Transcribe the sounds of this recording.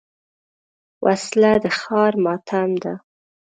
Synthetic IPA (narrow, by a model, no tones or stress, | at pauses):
wʔaslad̪əxɑɾmɑt̪ʰamd̪a